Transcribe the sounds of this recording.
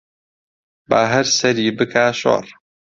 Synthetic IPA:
baːɦɛɾsɛɾiːbɨkʰaːʃo̰rˤ

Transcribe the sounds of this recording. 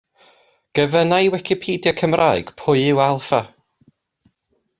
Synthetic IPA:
ɡ̥əvənajwɛkʰɪpʰiːdjakʰəmrʔaːɨɡ̥pʰʊɨɪwalˠfa

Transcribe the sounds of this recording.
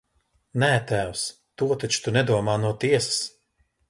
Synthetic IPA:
næːt̪æːws | t̪uɔt̪at͡ʃu̥t̪unɛd̪uɔmaːnuɔt̪iɛsḁs

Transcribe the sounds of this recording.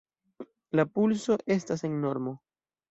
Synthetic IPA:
lapulso̞ʔe̞stase̞ŋno̞ɾmo̞

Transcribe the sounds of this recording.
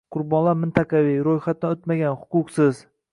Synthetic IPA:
qʰʊɾbɒnlˠaɾmɪnt̪ʰɑqʰɑviɾojχat̪̚d̪aot̪maɡʲanhʊqʊqsɪz

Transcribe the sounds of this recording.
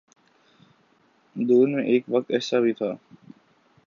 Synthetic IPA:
d̪oːnmẽʔeːkʋək̚t̪ɛːsaːbʱit̪ʰaː

